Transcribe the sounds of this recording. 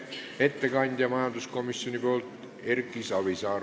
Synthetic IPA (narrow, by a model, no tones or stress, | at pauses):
e̞t̪ːe̞kɑnʲd̪̥ʲjɑmɑjɑnd̪̥usko̞misːjo̞nʲipo̞ːlt̪ | e̞rkːˑisɑβisɑː